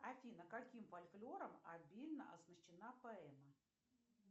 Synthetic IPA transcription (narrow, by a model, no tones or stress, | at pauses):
ɐfʲinəkakʲimfalʲklʲoɾəmɐbʲilʲnə̰ʔɐznəɕɪnapɐɛmɐ